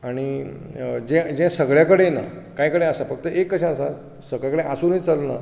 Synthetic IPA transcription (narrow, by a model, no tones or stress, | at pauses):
aɽ̃i | d͡ʑɛ̃d͡ʑɛ̃səɡɭjakəɽena̰kajkəɽẽəsafəɡ̚t̪əekːəɕãəsa̰ | səɡɭjakəɽeʔasuːnit͡salna̰